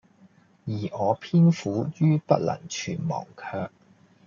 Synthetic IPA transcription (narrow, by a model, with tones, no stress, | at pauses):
jiː˨˩ɔː˨˧pʰiː˥nfuː˨˥jyː˥pɐ˥t̚lɐ̰˨˩ŋt͡ʃʰy̰ː˨˩nmɔ̰ː˨˩ŋkʰœː˧k̚